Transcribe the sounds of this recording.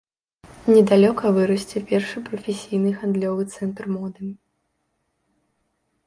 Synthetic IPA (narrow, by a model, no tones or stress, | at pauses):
nʲɛd̪alʲɔkɐvɨɾɐsʲt͡sʲɛpʲɛrʂɨpɾɐfʲesʲijnɨɣand̪lʲɔvɨt̪sɛnt̪rmɔd̪ɨ